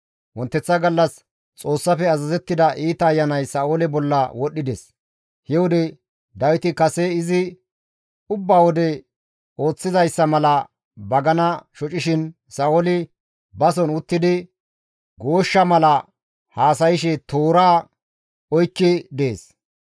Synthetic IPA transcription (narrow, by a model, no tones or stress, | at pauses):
wɔnt̪ːɛt͡sːɐɡɐlːɐs | t͡sʼo̞ːsːɐfɛɐzɐzɛt̪ːɪd̪ɐʔiːt̪ɐːjːɐnɐjsɐʔoːlɛbɔlːɐwɔɗːɪd̪ɛs | hɛwʊd̪ɛ | d̪ɐwɪt̪ɪkɐsɛɪzɪ | ʊbːaːwɔd̪ɛ | o̞ːt͡sːɪzɐjsːɐmɐlɐ | bɐɡɐnɐʃɔt͡ʃʼɪʃɪn | sɐʔolɪ | bɐsɔnʊt̪ːɪd̪ɪ | ɡo̞ːʃːɐmɐlɐ | haːs̬ɐjɪʃɛt̪oːɾaː | ɔjkːɪd̪e̞ːs